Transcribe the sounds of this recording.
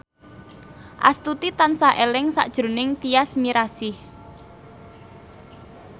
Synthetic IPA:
ʔa̰st̪ut̪it̪ansaʔelɪŋsa̰ʔd̥ʒ̥ɾṳnɪŋt̪iasmiɾasi

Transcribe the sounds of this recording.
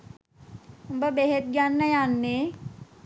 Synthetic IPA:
əmbəbeɦet̪̚ɡjanːəjanːe

